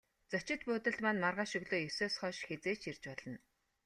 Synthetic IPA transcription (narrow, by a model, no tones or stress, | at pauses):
t͡sœt͡ɕɪ̆t̪̚pʊːt̪ə̆ɮmaːnmarʁaːʃɵɣɮoːjɵsoːsχɔːʃxet͡seːt͡ɕʰirt͡ɕpɔɮɞ̆n